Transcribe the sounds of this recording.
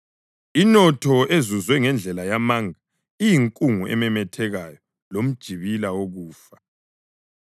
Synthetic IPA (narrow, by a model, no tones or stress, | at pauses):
inɔtʰɔʔezuzwɛŋɛnd͡ɮʱɛlajamaŋʱa | ijiŋkʼuŋuʔɛ̰mɛmɛtʰɛɣajɔ | lom̩d̥ʒ̥ʱiβilaoɣuːfḁ